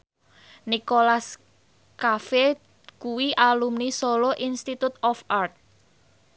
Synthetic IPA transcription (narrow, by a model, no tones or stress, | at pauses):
nikolas | kafe | kuwiʔalumnisolɔʔinst̪it̪ut̪ɔfart̪̚